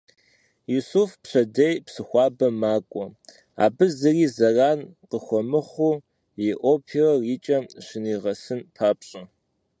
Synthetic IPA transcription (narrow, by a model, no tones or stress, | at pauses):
jusufpɕɐdejpsɨxʷɑːbɐmaːkʷʼɔ | a̰ːbɨzɨriːzɐraːnqəxʷɔmɨχʷu | jɪʔʷoːpʰirɐriːt͡ʃʼɐmɕɪniːʁɐsɨnpʰaːpɕʼɐ